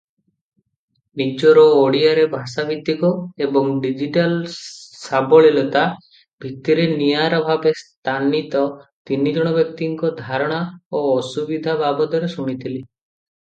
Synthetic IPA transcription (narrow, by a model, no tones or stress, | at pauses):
nid͡ʒɔɾɔːɽiaɾebʱasabʱit̪ːikɔebɔŋɖid͡ʒiʈalsabɔɭilɔt̪a | bʱik̚t̪iɾenijaɾɔbʱabest̪ʰanit̪ɔt̪inid͡ʒɔɽ̃ɔbjɔk̚t̪iŋkɔd̪ʱaɾɔɽ̃aoːsubid̪ʱabʱabɔt̪ɔɾesuɽ̃it̪ʰili